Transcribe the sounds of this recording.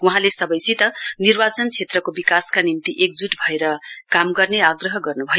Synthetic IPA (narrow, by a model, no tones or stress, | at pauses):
uɦãlesʌbʌjsit̪ʌnirbat͡sʌnt͡sʰet̪rʌkobikaskanint̪iʔek̚d͡zuʈbʱʌeɾʌkamɡʌrneaɡrʌɦʌɡʌrnubʱʌ